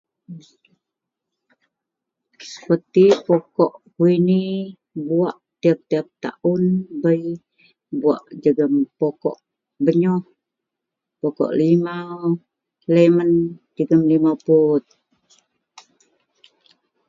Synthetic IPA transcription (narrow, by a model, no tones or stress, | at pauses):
sə̥pət̪ipokɔʔkuini | buaʔt̪iap̚t̪iap̚t̪a̰ʔunbəj | bua̰ʔd͡ʒəɡəmpokɔ̰ʔ | bəɲɔh | pokɔ̰ʔlima | ləmənd͡ʒəɡəmlimaput̪̚